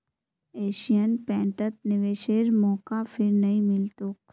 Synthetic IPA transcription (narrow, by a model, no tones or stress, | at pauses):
eːʃijənpɛ̃ːʈət̪̚nɪʋeːʃeːɾmɔːkafʰɪɾnɐɦĩmɪlt̪oːk